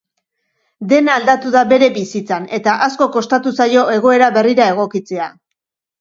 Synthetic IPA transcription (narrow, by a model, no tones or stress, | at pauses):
d̪e̞naːld̪at̪uðabe̞ɾe̞βisit͡sane̞t̪aʔasko̞ko̞st̪at̪usajo̞e̞ɣ̞o̞e̞ɾaβe̞riɾae̞ɣ̞o̞kit͡se̞a